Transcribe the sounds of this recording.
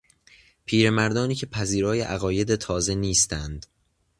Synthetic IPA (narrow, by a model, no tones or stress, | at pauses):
pʰiːɾe̞mæɾd̪ɒːniːcʲʰe̞pʰæziːɾɒːjeʔæɣɒːje̞d̪et̪ʰɒːze̞niːst̪ænd̪̥